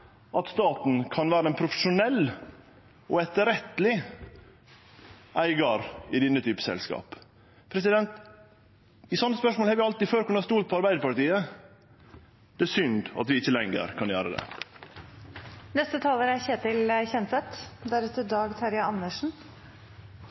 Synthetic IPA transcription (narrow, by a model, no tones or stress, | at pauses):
ɑt̪st̪ɑːt̪n̩kʰɑnʋæːɾəæɪnpʰɾʊfəʂʊnɛlː | ɔɛt̪əɾɛt̪lɪ | ʔæɪɡɑɾɪd̪ɪnːət̪ʰyːpə̥sɛ̰lskɑ̰ːp | pʰɾɛsɪd̪ɛnt̪ | ɪsɔnːəspœʂmolhɑɾʋjæɑlt̪iføːɾkʉɳɑst̪uːlt̪̚pʰɔɑɾbæɪd̪əɾpɑɾʈ̪iːə | d̪̥ɛæsʏnd̪ɑ̰t̪ʋɪɪçːəlɛŋːə̰ɾkʰɑnjøːɾəd̪ɛ̰ | nɛst̪ət̪ʰɑːləɾæçeːt̪ɪlçɛnsɛt̪d̪æɾʉt̪əɾd̪ɑːɡt̪ʰɑɾjɑɑnːəʂn̩